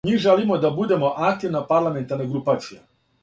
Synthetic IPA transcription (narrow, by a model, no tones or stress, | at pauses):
miːʒelimo̞d̪abud̪e̞mo̞ʔak̚t̪iʋnapaɾlˠame̞nt̪aɾneɡɾupaːt̪sija